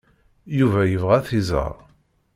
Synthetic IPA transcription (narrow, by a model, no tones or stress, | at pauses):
juvæjəvʁæθizə̰ʁ